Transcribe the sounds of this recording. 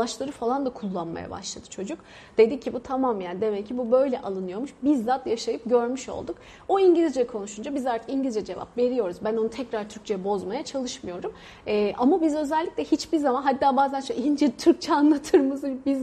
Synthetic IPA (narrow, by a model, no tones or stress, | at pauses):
at͡ʃlˠaɾɯfalˠand̪akʰulˠːanma̰ja̰ba̰ʃlˠad̪̥ɯ̥t͡ʃʰo̞d͡ʒuk | d̪̥e̞d̪icʰːibut̪ʰamamjaːnd̪e̞mɛcʰːibubø̞jlʲɛʔalˠɯnɯjo̞ɾmuʃbizːat̪jaʃajɯp̚ɟøɾmyʃo̞̰lˠd̪uk | oiɲɟilʲizd͡ʒɛkʰo̞nuʃund͡ʒabizaɾt̪ʰɯ̥kiɲɟilʲid͡ʒɛd͡ʒe̞va̰pve̞ɾijo̞ɾuzbæno̞nut̪ʰɛcɾaɾt̪ʰyɾc̚t͡ʃʰejɛbo̞zmajat͡ʃʰalˠɯʃmɯjo̞ɾumː | ʔamabizø̞zɛlʲːicʲlʲɛhit͡ʃbiɾzamanɦat̪ːaːbaːzænʃøind͡ʒɛt̪ʰyɾc̚t͡ʃʰɛanlˠat̪ʰɯɾmɯzbiz